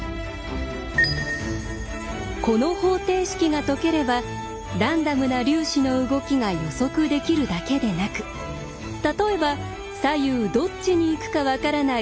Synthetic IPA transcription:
ko̞no̞ho̞ːt̪e̞ːɕi̥kʲiŋat̪o̞ke̞ɾe̞ba | ɾãnd̪amɯ̟naɾʲɨːɕino̞ɯ̟ɡo̞kʲiŋajo̞so̞kɯ̟d̪e̞kʲiɾɯ̟d̪ake̞d̪e̞nakɯ̟̥ | t̪at̪o̞e̞ba | sajɯːd̪o̞t͡ɕt͡ɕːiɲ̟iːkɯ̟̥kaβakaɾana

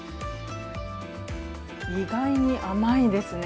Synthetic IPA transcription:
iɡaiɲ̟iʔamaid̪e̞sɨn

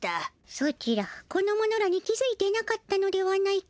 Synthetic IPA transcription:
t̪a | sot͡ɕiɾako̞no̞mo̞no̞ɾaɲ̟ikʲizɨit̪e̞nakat̪ːano̞d̪e̞βanːai

